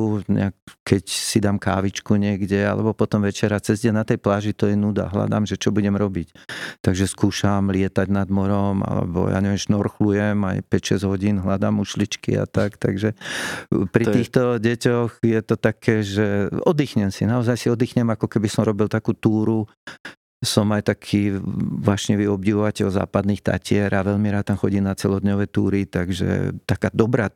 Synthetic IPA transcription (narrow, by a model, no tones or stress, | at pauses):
ɲɛ̰ak̚kɛcsid̪aːmka̰ːʋit͡ʃkuɲɪɛɡɟɛa̰lɛ̰bɔpɔt̪ɔmʋɛt͡ʃɛɾat͡sɛzɟɛnnat̪ɛjplaːʒit̪ɔjɛnud̪a̰ɦla̰d̪a̰mʒɛt͡ʃɔbuɟɛmɾɔbict̪aɡʒɛskuːʃamlɪɛt̪aɟnad̪mɔɾɔma̰lɛ̰bɔ̰ja̰ːɲɛʋɛmʒnɔɾxlujɛma̰jpɛcʃɛzɟɦɔɟinɦlad̪a̰muʃlit͡ʃkḭa̰t̪akt̪aɡʒɛ | pɾiiːxt̪ɔɟɛcɔɣjɛt̪ɔt̪akʰɛːʒɛɔd̪iːxɲɛmsinaɔzajsiɔd̪iːxɲɛmakɔkɛbisɔmɾɔbilt̪akuːt̪uːɾu | sɔmajt̪akʰiːʋaːʃɲɛʋiɔbɟiʋɔʋacɛlza̰ːpad̪niːxt̪a̰cɪɛɾaʋɛʎmiɾaːt̪̚t̪amxɔɟiːnat͡sɛlɔd̪ɲɔʋɛt̪uːɾit̪aɡʒɛ̰t̪akaːd̪ɔbɾa